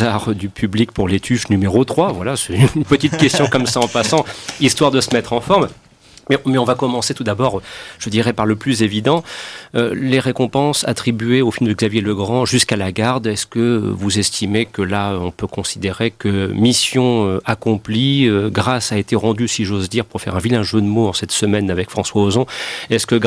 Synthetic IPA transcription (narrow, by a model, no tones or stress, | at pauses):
aʁd̪ypʰyblik̚puʁlet̪ʰyʃnymeʁot̪χwavwalasɛt̪ynnpət̪it̪kʲɛst̪jɔ̃kɔmsaɑ̃pasɑ̃ist̪waʁd̪əsəmɛt̪χɑ̃fɔʁm | mɛmɛɔ̃vakɔmɑ̃set̪ud̪abɔʁʒ̥əd̪iʁɛpaʁləplyzevid̪ɑ̃ø̰leʁekɔ̃pɑ̃sa̰t̪χibɥeofilmd̪əɡzavjeləɡʁɑ̃ʒyskalaɡaʁd̪ɛskəvuzɛst̪ʰimekəlaøɔ̃pøkɔ̃sid̪eʁekəmisjɔ̃øakɔ̃pliøɡʁasaet̪eʁɑ̃d̪ysiʒozd̪iʁpuʁfɛ̰ʁɛ̃vilɛ̃ʒød̪moɑ̃sɛt̪səmɛnavɛkfχɑ̃swaozɔ̃ɛskəɡ